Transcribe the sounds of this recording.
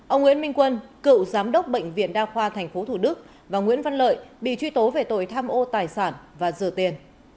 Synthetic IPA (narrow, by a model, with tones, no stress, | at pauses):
ʔə˧wŋ͡mŋwḭ˧˥ənmï˧ŋ̟kwə˧nkɨ̰˧˨wzaː˨˦mɗə˦˥wk͡p̚ɓə̰˧˨jŋ̟vḭ˧˨ənɗaː˧xwaː˧t̪ʰɛ˨˩ŋ̟fo˨˦t̪ʰu˧˩ɗɨ˦˥k̚ | vaː˨˩ŋwḭ˧˥ənva˧nlə̰ː˧˨jɓḭ˧˨t͡ɕwi˧t̪o˨˦ve˨˩t̪o̰˧˨jt̪ʰaː˧mʔo˧t̪aː˨˩jsaː˧˩nvaː˨˩zɨ̰˨˧˩ət̪i˧˩ən